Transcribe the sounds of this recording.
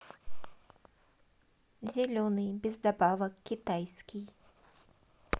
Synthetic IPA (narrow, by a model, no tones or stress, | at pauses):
zʲɛlʲɔnɨjbʲɛzd̪abavɐkkʲːit̪ajsʲkʲij